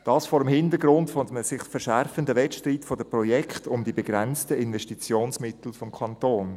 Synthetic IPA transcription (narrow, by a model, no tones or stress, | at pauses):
d̥ɑːsfɔːɾəmhɪndəɾɡɾʊntfɔdmsɪχfəɾʃæɾfəndəʋɛtʃtriːtfɔdəprɔjɛkχtʊmdibeɡ̥ɾɛnt͡stəɪnvɛʃtit͡sjoːnsmɪtl̩fɔmkʰɑntoːn